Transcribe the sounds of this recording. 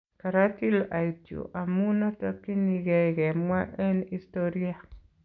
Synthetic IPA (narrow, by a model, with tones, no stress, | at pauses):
ka˨ɾa˦ti˦lʔa˨tjo̰˨ʔa˨mu˦na˦ta˦ki˦ni˨ɡɛ˨ɡɛ˨mwa˦ʔɛ˦ni˦stoɾi˦a˨